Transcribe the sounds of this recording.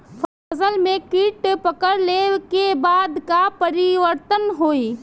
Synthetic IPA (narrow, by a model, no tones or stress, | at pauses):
pʰaːzəlmẽkiʈpəkəɾlekebaːd̪kapəɾiʋəɾt̪ənɦoːi